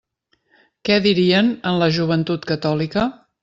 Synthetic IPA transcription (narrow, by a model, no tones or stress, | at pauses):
kɛðiɾiənənləʒuβ̞ənt̪ut̪kət̪ɔlikə